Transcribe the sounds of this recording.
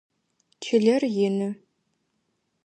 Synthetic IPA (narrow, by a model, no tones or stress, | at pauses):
kʲʰɪɮɐrjɪnɨ